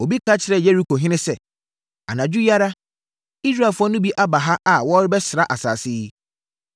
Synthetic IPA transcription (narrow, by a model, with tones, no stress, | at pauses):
o˨bi˦kʰa˦t͡ɕʰɪ˨ɾɛ˨je˦ɾi˦kʰo˨ɦɪ̃˦nɪ̃˦sɛ˨ | a̰˨nã˨d͡ʑᶣu˦ja˦ɾa˦ | i˦s̬ɾa˦˨fʊ˦ɔ˦nʊ̃˦bi˦ʔa˦ba˨ɦa˦ʔa˨wɔ˦ɾɪ˦bɛ˦sɾa˦ʔa˨sa̰ː˨sɪ˦